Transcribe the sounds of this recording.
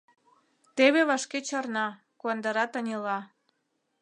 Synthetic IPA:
t̪eβeβɑʃket͡ɕɑrnɑ | kuɑnd̪ɑɾɑt̪ɑnʲelɑ

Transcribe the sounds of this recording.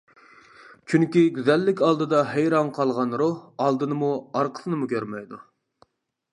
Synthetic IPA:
t͡ʃʰyŋkʲiɡʲyzɛlːɪkʲɑlˠd̪ɨd̪ɑɦejɾɑnqʰɑlˠʁɑnɾuhɑlˠd̪ɨnɨmuɑɾqʰə̥sɨnɨmukʲʰøɾmɛjd̪u

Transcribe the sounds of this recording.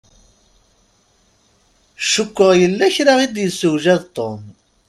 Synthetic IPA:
ʃʊkʷːəʁjəlːæçɾaʁid̪jəsːʊwʒæðt̪ˤːom

